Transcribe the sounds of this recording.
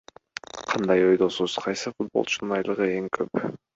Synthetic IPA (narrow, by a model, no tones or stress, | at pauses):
qʰɑnd̪ɑjo̞jd̪o̞suzqʰɑjsɯfut̪̚bolˠt͡ʃʰunɯnɑjlˠɯʁɯe̞ŋkʰøp